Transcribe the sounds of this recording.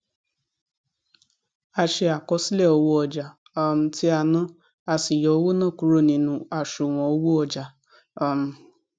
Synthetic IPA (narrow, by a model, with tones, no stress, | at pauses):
a˧ʃe˧a˨kɔ˧˦si˦lɛ˦˨o˧wo˦ɔ˧d͡ʒa˨˧ | m̩˧˦ti˦a˧nã˦ | a˧si˨jɔ˨o˦wo˦nã˦˨ku˨˦ɾo˦˨nĩ˧nũ˧a˨ʃu˨w̃ɔ̃˨o˦wo˦ɔ˧˨d͡ʒa˨˧ | m̩˧